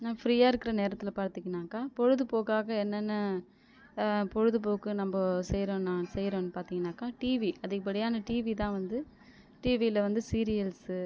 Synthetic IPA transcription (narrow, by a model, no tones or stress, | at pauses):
naːfɾiːjaːɪɾɯkːɪɾɐneːɾɐt̪ːɪlɐpaːɾt̪ːɪkːɐnːaːkaːpɔɻɯðɯpoːɣaːɣɐɛnːɐnːɐ | pɔɻɯðɯp̬oːkːɯnɐmbɐsɛjɾõːnãːsɛjɾõːnːɯpaːɾt̪iːŋɡɐnːaːkaːʈiːʋiʔɐðɯɣɐp̬ːɐɽɪjaːnɐʈiːʋit̪ãːʋɐnd̪ɯ | ʈiːʋilɐʋɐnd̪ɯsiːɾɪjɐls